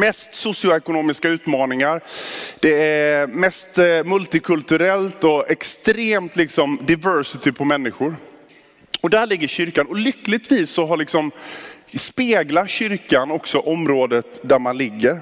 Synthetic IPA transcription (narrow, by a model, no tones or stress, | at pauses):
mɛst̪sʊsɪʊɛkʊnoːmɪskaʉ̟ːt̪mɑːnɪŋaɾd̪̥ɛæmɛst̪mɵlt̪ɪkʰɵlt̪ɵɾɛlt̪ɔɛkst̪ɾeːmt̪lɪksɔmd̪avœɾsɪt̪ʰɪpʰɔmɛnːɪɧʊɾ | ɔd̪æɭɪɡːəɕʏɾkanɔlʏkːlɪɡ̚t̪viːsːɔɦaɭɪksɔm | speːɡlat̪ɕʏɾkanɔksɔʔɔmɾoːd̪ət̪d̪æɾmanlɪɡːəɾ